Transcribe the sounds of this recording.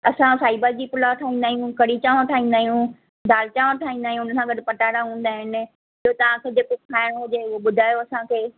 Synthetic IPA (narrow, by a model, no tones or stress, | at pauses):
ɐsãsaːɪbəɾd͡ʑiːpʊlaʈʰaːɦĩːn̆d̪aːɦijũkɐɽit͡ɕaːʋãʈʰaːĩn̆d̪aːɦijũ | d̪ʱaːlt͡ɕaːʋãʈʰaːĩːnd̪aːijũʊn̆sãɡɐɖɪ̆pɐʈaːɽaɦũːn̆d̪aːɦɪnɪ̆ | ɪɦot̪ɐʋ̤ãkʰeːd͡ʑeːkokʰaːɪɽ̃ɦʊd͡ʑeʊɦoɓʊd̪ʱaːjoɐsãkʰeː